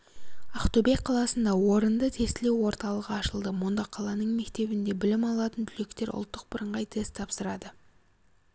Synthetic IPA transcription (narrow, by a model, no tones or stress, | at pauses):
ɑχt̪obeqʰɑlˠɑsənd̪ɑwo̞ɾənd̪ət̪ʰe̞st̪ɪle̞wo̞ɾt̪ɑlˠəʁəɑʃəlˠd̪əmʊnd̪ɑqʰɑlˠɑnəɴme̞kt̪e̞bɪnd̪e̞bɪlɪmɑlˠɑt̪ənt̪ʰʏlʲe̞kt̪e̞ɾʔʊ̰lˠt̪ːəq̚bəɾəɴʁɑjt̪ʰe̞st̪ʰɑpsəɾɑd̪ə